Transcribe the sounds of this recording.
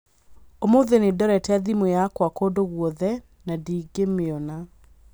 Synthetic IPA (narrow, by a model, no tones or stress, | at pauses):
omoðenedɔɾɛtɛðimojakwakodoɣwɔðɛ | nadiːɡemeɔna